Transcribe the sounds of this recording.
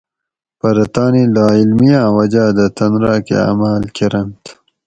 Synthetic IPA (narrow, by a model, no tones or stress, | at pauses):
pɐɾɐt̪aːnilaːilmijãːwɐd͡ʑaːd̪ɐt̪ɐnɾaːkḛa̰ːmaːlkeɾɐmt̪